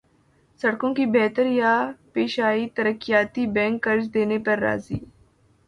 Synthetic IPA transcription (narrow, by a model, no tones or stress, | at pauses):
sɐɽkõkibɛːt̪əɾjapeːʃaːit̪əɾəkːijaːt̪ibɛ̃ːŋkːɐɾd͡ʒd̪eːnepɐɾːa̰ːziː